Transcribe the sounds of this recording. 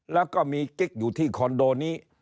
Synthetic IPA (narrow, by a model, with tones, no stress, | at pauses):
lɛː˦˥˩wkɔː˥˩miː˧ki˦˥k̚juː˨˩t̪ʰiː˥˩kʰɔ˧ndoː˧niː˦˥